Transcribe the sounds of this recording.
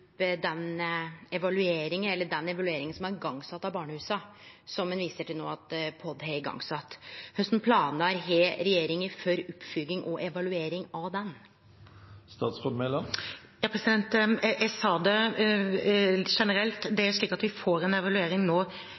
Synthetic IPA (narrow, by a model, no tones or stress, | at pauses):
d̪ɛnɛʋɑlʉeːɾɪŋənɛlːəɖɛnːɛʋɑlʉeːɾɪŋənsɔmɑɾɡɑŋːsɑt̪ːɑbɑːɳəhʉːsɑsɔmːɛnʋiːsəʈʰɪlnoːɑt̪pʰɔd̪hɛɡɑ̰ŋsɑt̪ːhœst̪n̩pʰlɑːnəɾɦeːɾɛjeːɾɪŋəfɔɾʉpːfʏɡɪŋʔɔʔɛʋɑlʉeːɾɪŋɑʋd̪ɛn | st̪ɑːt̪sʁod̪melɑm | jɑːpʰɾɛsɪd̪ɛnt̪ɛɪsɑːd̪ɛ | ʂɛnəɾɛlt̪d̪ɛæɾʂɭiːkɑt̪ʋɪfoːɾɛnɛʋɑlʉeːɾɪŋnoː